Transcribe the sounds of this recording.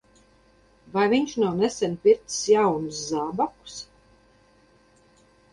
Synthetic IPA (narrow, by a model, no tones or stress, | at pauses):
vajviɲʃnawnɛsɛnʲpʲiɾt̪sjawnus̬zaːbaku̥s